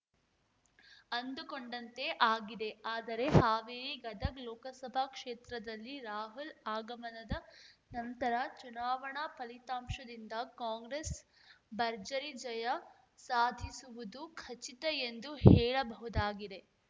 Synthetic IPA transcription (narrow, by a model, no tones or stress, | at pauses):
ɐnd̪ukoɳɖɐnt̪e̞ʔaːɡid̪e̞aːd̪ɐɾe̞haːʋiːɾiɡɐd̪ɐklɔːkɐsɐbʱɐkʂeːt̪ɾɐd̪ɐlːiɾaːɦulaːɡɐmɐnɐd̪ɐnɐnt̪ɐɾɐt͡ʃunaːʋɐɳapɐlit̪aːmʂɐd̪ind̪ɐkaːŋɡɾes | bɐɾd͡ʒɐɾid͡ʒɐjɐ | saːd̪ʱisuʋud̪ukʰɐt͡ʃit̪ɐend̪uhɛːɭɐbɐɦud̪aːɡid̪e̞